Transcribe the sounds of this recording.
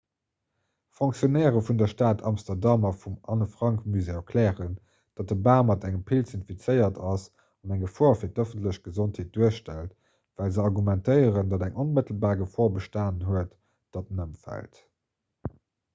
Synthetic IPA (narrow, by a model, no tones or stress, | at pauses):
foŋksjonɛːʁəfundɐʃtaːtʰɑ̰mstɐʁdɑmɐfumɑnəfʁ̥ɑŋkmyzeːkʰlɛːʁən | d̥ɑt̚dəbaːmɑtæŋəmpʰilsinfit͡səɪɐtʰɑs | ɑnæŋəfɔːɐfiːɐtəfəntləɕɡ̥əzontʰheːt̚d̥uəɕʃtælt | væːlzəɑʁɡumæntəɪəʁəndɑdæŋʔonmətəl̩baːʁɡəfɔːɐbəʃtaːnɦuət | d̥ɑt̚nəmfæ̰lt